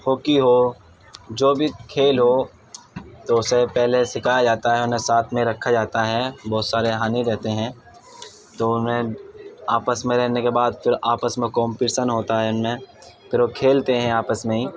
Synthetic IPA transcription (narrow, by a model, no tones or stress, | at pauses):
hoːkiɦo | d͡ʒoːbʱikʰeːlɦo | t̪oʊsepɛɦlesɪkʰaːjad͡ʒaːt̪aɦɛʊnɦẽsaːt̪ʰmẽɾɐkʰːad͡ʒaːt̪aɦɛbɔːt̪saːɾeɦaːniɾɛɦt̪eɦɛ̃ː | t̪oʊnɦẽaːpəsmẽɾɛɦnekebaːd̪fɪɾaːpəsmẽkɔ̃ːmpɪʈsənɦoːt̪aɦɛʊnmẽpʰɪɾokʰeːlt̪eɦɛ̃aːpəsmẽɦiː